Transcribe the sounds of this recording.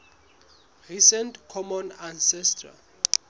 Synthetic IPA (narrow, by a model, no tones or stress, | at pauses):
risɛntkʰɔmɔnansɛstʰra̰